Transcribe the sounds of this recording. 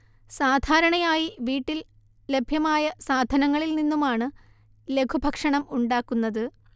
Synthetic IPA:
saːd̪ʱaːɾɐɳɐjaːjiʋiːʈːil | le̞bʱjɐmaːjɐsaːd̪ʱɐnɐŋːɐɭilninːumaːɳɨ | le̞kʰubʱɐkʂɐɳɐmuɳɖaːkːunːɐðɨ

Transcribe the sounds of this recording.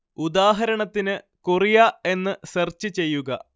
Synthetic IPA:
ud̪aːɦɐɾɐɳɐt̪ːinɨ | kurijae̞nːɨsert͡ɕːɨt͡ɕe̞jːuɣɐ

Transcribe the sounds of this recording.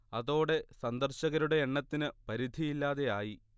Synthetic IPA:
ɐðo̞ːɽe̞sɐnd̪ɐrɕɐɣɐɾuɽe̞ːɳːɐt̪ːinɨpɐɾid̪ʱijilːaːðe̞jaːji

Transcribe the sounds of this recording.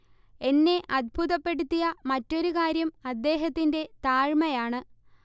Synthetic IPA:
e̞nːe̞ʔɐd̪̚bʱuðɐpːe̞ɽut̪ːijɐmɐtːo̞ɾukaːɾjɐmɐd̪ːe̞ːɦɐt̪ːinde̞t̪aːɻmɐjaːɳɨ

